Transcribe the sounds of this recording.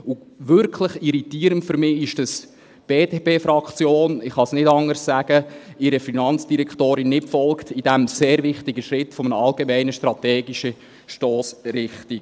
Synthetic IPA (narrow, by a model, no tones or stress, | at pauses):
u | ʋʏɾkʰləχiɾitiːəɾəntfʏɾmɪːɪʃd̥əs | b̥eːtepeːfɾɑkt͡sjoːnɪχhɑsnɪdɑŋəɾssæɡ̥əɪɾəfinɑnt͡sd̥iɾɛkʰtoːɾɪnːɪtfɔlktʰid̥æmseːɾvɪχtiɡəʃɾɪtfɔmənəɑlɡemɛɪnəʃtɾɑt̪ɛːɡiʃə | ʃtɔːsɾɪχtiɡ